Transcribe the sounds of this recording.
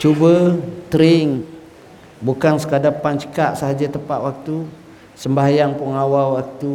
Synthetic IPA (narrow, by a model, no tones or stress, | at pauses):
t͡ʃubət̪əɾɪŋ | bukansə̥kadapant͡ʃə̥kaʔsaɦad͡ʒat̪əpaʔwak̚t̪u | səmbaɦajaŋpuŋawawak̚t̪u